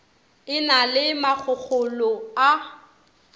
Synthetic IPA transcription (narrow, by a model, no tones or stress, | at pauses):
ɪnalɪmak͡xʰʊk͡xʰʊlɔa